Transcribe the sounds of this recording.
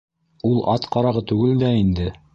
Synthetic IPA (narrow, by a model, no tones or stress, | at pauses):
ulˠɑt̪qɑɾɑʁɤt̪ʉɡɘld̪æind̪ɘ